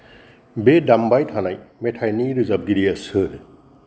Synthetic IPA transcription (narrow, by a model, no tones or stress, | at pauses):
bedambajtʰanajmetʰajniɾɯzab̚ɡiɾiasɯɾ